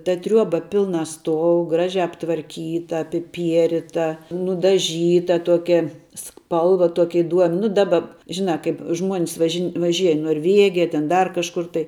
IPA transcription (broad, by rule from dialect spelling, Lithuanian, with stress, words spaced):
tɐ ˈtʲrʲuɔbɐ ˈpʲɪlˠnɐ ˈstuɔʊ ˈɡrɑːʒʲɛ ɐptʋɐrʲˈkʲiːtɐ ɐpʲɪˈpʲiɛrʲɪtɐ nʊdɐˈʒʲiːtɐ ˈtuɔkʲɛ ˈspɐlˠʋɐ ˈtuɔkʲɪ ɪˈduɔmʲ ˈnʊ ˈdɑːbɐ ˈʒʲɪnɑː ˈkɐɪp ʒmuɔnʲs ʋɐʒʲɪn ʋɐˈʒʲiɛj ɪ noːrʲˈʋʲeːɡʲɪjɛ tʲeːn ˈdɐr kɐʃˈkʊr tɐɪ